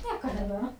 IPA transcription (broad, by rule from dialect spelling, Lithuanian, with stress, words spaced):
ˈnʲiɛkɐ nʲɛbʲɛˈmɐ